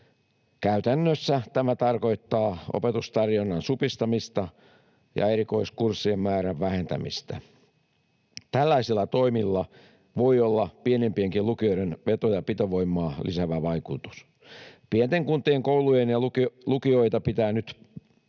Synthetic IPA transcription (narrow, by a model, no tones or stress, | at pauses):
kæyt̪ænːøsːæt̪æmæt̪ɑrko̞it̪ːɑːo̰pet̪ust̪ɑrjonːɑnsupist̪ɑmist̪ɑ | jɑ̰eɾiko̞iskursːiemːæːɾæʋʋæhent̪æ̰mḭst̪æ̰ | t̪ælːæisilːæt̪o̞imilːɑ | ʋo̞iolːɑpienempieŋkilukioiɾenʋet̪ojɑpit̪oʋoimːˑɑːlʔḭsæʋæʋɑikut̪u̥s | pient̪eŋkunt̪ieŋkoulujenjɑuklukio̞it̪ɑpit̪æːnyt̪